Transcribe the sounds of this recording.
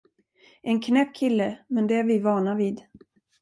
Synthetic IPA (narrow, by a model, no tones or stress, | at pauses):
ʔɛnkʰnɛp̚ːkʰɪlːəmɛnd̪ɛæɾvɪvɑːɳaviːd̪